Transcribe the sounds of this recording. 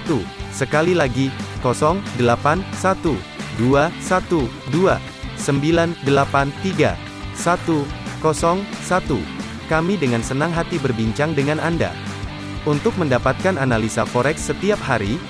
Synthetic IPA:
t̪usəkalilaɡikɔsɔŋdəlapansat̪u | duasat̪u | dua | səmbilandəlapant̪iɡa̰ | sat̪ukɔsɔŋsat̪ṵ | kamidəŋansənaŋɦat̪ibərbiɲt͡ʃaŋdəŋananda̰ | unt̪ʊk̚məndapat̪̚kananalisafɔɾɛksət̪iap̚haɾi

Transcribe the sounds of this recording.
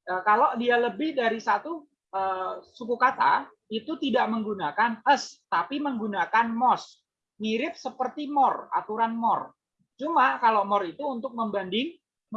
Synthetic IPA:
əkaloʔdialəbɪhdaɾisat̪u | ʔəsukukat̪a̰ | it̪ut̪idaʔməŋɡunakanəst̪apiməŋɡunakanmɔs | miɾɪp̚səpərt̪imɔra̰t̪uɾanmɔr | t͡ʃumakaloʔmɔrit̪uːnt̪ʊk̚məmbandɪŋ

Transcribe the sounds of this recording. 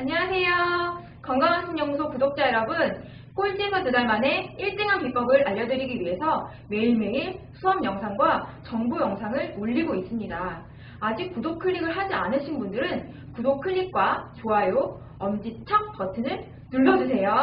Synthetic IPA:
aɲʌasʰe̞jo | kʌŋɡaŋansʰʌŋɲʌŋsʰokudok̚t͡ɕ͈aeɾʌbɯn | k͈oɭt͡ɕ͈isʰʌtudaɭmane̞iɭt͈eŋɦanpip͈ʌɡɯɾaʎːʌdɯɾiɡiɥiɦe̞sʰʌ | we̞iɭme̞isʰuʌmjʌŋsʰaŋɡwat͡ɕʌŋbujʌŋsʰaŋɯɭoʎːiɡois͈ɯmɲidaː | d͡ʑik̚kudok̚kʰɯʎːiɡɯɭɦad͡ʑianɯɕʰinbundɯɾɯn | kudokʰɯʎːik̚k͈wat͡ɕoajo | ʌmd͡ʑit͡ɕʰʌk̚p͈ʌtʰɯnɯɭ | nuɭːʌd͡ʑusʰe̞jo

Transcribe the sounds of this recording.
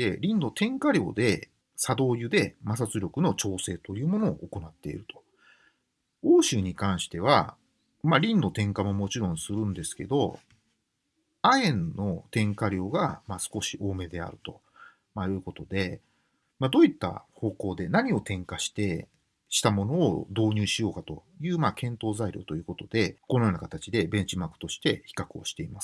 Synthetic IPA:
e̞ɾʲĩnːo̞t̪ʰẽ̞ŋkaɾʲjo̞̰ːd̪e̞ | sad̪o̞ːjɯ̟d̪e̞mas̬at͡sɨɾʲo̞kɯ̟no̞t͡ɕo̞ːse̞ːt̪o̞jɯ̟ːmo̞no̞̰ːʔoko̞nat̪ːe̞̰ḭɾɯ̟t̪ʰo̞̥ | oːɕɨːɲ̟ikãɰ̃ɕi̥t̪e̞β̞a | maɾʲĩnːo̞t̪ẽ̞ŋkamo̞mo̞t͡ɕiɾõ̞ɰ̃sɨɾɯ̟̃nd̪e̞sɨ̥ke̞d̪o̞ | aẽ̞nːo̞t̪ẽ̞ŋkaɾʲjo̞ːɡamaːsɨ̥ko̞ɕiʔo̞ːme̞d̪e̞a̰ɾɯ̟t̪o̞ | majɯ̟ːko̞t̪o̞d̪e̞ | mad̪o̞ːit̪ːa̰ho̞ːko̞ːd̪e̞naɲ̟io̞t̪ẽ̞ŋkaɕi̥t̪e̞ | ɕi̥t̪amo̞no̞ːd̪o̞ːɲ̟ɨːɕijo̞ːkat̪o̞̰ | jɯ̟ːmakẽ̞nt̪o̞ːzaiɾʲo̞̰ːt̪o̞jɯ̟ːko̞t̪o̞d̪e̞ko̞no̞joːnakat̪at͡ɕid̪e̞bẽ̞ɲ̟t͡ɕimakɯ̥t̪o̞ɕi̥t̪e̞çi̥kakɯ̟o̰ɕi̥t̪e̞imasɨ̥

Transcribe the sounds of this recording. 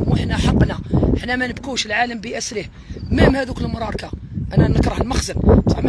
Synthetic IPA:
muħnæħɑqːnæəħnːæmænəb̚kuʃəlʕaləmbiʔæsɾəh | mæhmhæd̪ukəlːmɾˤɑɾˤkæʔænænəkɾˤɑhəlmɑxzənt̪ɑʕm

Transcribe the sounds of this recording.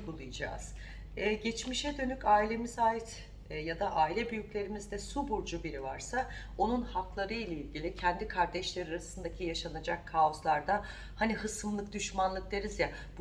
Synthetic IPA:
bulˠujd͡ʒa̰ːz̥ | ɛːɟɛt͡ʃmiʃɛd̪ø̞nycaːilʲe̞mizaːjit̪ | jad̪aʔaːilʲɛbyjyclʲe̞ɾimizd̪ɛsubuɾd͡ʒubiɾivaɾsa | o̞nunhaklˠaɾɯjlʲˠailʲɟilʲicʰɛnd̪ikʰaɾd̪ɛʃlʲe̞ɾiɾasɯnd̪acʰijaʃanad͡ʒakʰːaoslˠaɾd̪a | haniɦɯsɯmlˠɯk̚d̪yʃmanlˠɯk̚d̪eɾizja | b

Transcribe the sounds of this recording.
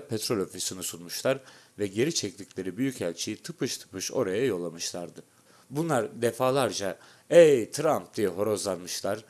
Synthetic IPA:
pʰɛt̪ɾo̞lʲo̞fisinisunmuʃlˠaɾvɛɟe̞ɾit͡ʃʰɛc̚t̪ʰiclʲe̞ɾibyjycælʲt͡ʃʰijit̪ʰɯpʰɯʃt̪ʰɯ̥pɯʃo̞̰ɾajajo̞lˠamɯʃlˠaɾd̪ɯ | bunlˠaɾd̪efaːlˠaɾd͡ʒa | ejt̪ʰɾamp̚d̪̥ijɛɦo̞ɾo̞zlˠanmɯʃlˠaɾ̥

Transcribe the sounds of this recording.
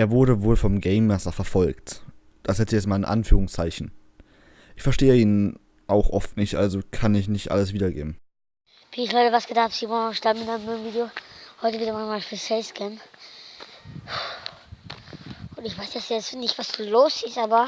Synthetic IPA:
ʔeːɐvʊɐɾəvoːlfɔmɡɛɪmːɛsɐfɛɐfɔlkt | d̥ashɛt͡sɛstmaːlɪnʔa̰nfyːʁʊŋst͡saɪçn̩ | ʔɪçfɛɐʃteːəiːnən | ʔaʊxʔɔftnɪçtʔalzokʰanɪçnɪçtʔa̰ləs̬v̥iːdɐɡḛːbm̩ | v̥iːɪçlɔɪtəvasɡ̥ədafpz̥iːmɔɡnɔʃtabm̩ɪnaɪəmɪmviːdeohɔʏtəviːdəmanmaːlfyːɐsɛskʰɛm | ʔʊntɪçv̥aɪsjɛsjɛnɪçtv̥asd̥uloːsɪstʔaːbɐ

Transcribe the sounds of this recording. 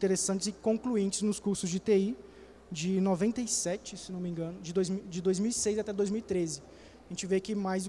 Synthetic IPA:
ĩt̪eɾesɐ̃nt͡ʃɪzɪkõkluẽnt͡ʃɪznʊskuɾsʊzd͡ʒɪt̪ei | d͡ʒɪnovẽnt̪eisɛt͡ʃɪsenõmĩɡɐ̃nʊd͡ʒɪd̪ojzmid͡ʒɪd̪ojzmiwisejzat̪ɛd̪ojzmiwit̪ɾezɪ | aʒẽnt͡ʃɪvekɪmajz

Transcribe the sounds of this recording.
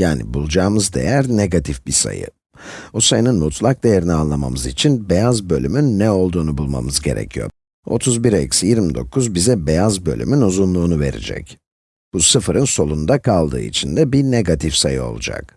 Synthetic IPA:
jaːnḭbulˠd͡ʒaːmɯzd̪e̞̰jæɾneɡat̪ʰifbisa̰jɯ̰ | usajɯnɯnmut̪ʰlˠak̚d̪e̞jeɾinianlˠama̰mɯzit͡ʃʰinbe̞jazbø̞lʲymynːɛo̞lˠd̪uːnubulˠma̰mɯzɟe̞ɾɛ̰cʰijo̰ | o̞̰t̪ʰuzbiɾɛcsjiɾmid̪o̞̰kʰuzbizɛbe̞jazbø̞̰lʲy̰mynuzunlˠuːnuve̞̰ɾḭd͡ʒɛ̰c | b̥usɯfɾɯnso̞lˠund̪akʰalˠd̪ɯ̰ːḭt͡ʃʰind̪ɛbineɡat̪ʰifsajɯo̞̰lˠud͡ʒa̰k̚

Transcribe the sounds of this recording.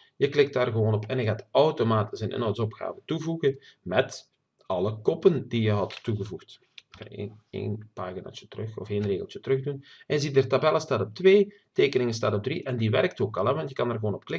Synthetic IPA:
jəklɪk̚taːrɣəʋoːnɔpʰɛnjəɣaːtɔwtomaːtɪsənʔɪ̰nowtsɔpxa̰ːvətuvuɣənmɛt | ɑlˠəkɔpəndijəɦɑtːuɣəvuxt | kɑ̰jḛːnpaːɣina̰ːt͡ʃətərɵxɔfeːnreːɣəlˠt͡ʃətərɵɣdunʔɛnəzidərtabɛləstaːtɔp̚tʋeː | teːkənɪŋənstaːtɔb̚drḭʔɛndiʋɛrk̚toːkɑlˠɛʋɑntjəkɑnərɣəwoːnɔpklɪ

